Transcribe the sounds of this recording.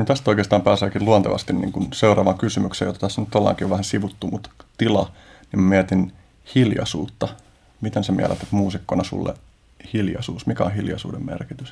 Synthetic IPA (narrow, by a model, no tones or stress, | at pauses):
ot̪æst̪oikeːst̪ɑːmpæːseːkiluɑnt̪eʋɑ̰st̪innḭːŋkunseurɑːʋɑŋkysymyksḛjot̪ːɑt̪æsːænyt̪t̪olːɑ̰ːŋkioʋæhænsiʋut̪ːumut̪t̪ilɑ | nimmæmiæt̪in | hiljɑ̰suːt̪ːɑ | mit̪ensemḭæ̰læ̰t̪æt̪muːsikːonɑsṵlːḛ | hiljɑ̰suːsmikæõ̰hiljɑ̰sṵːdemmḛrkit̪ys